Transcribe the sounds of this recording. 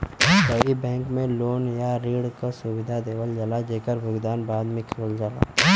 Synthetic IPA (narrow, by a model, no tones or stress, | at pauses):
bəibɛ̃ːŋkmẽloːnjaɾiːɽkasʊwɪd̪ʱad̪eːwəld͡ʒɐlad͡ʒeːkəɾbʱʊɡd̪aːnbaːd̪mẽkʰoːld͡ʒaːla̰ː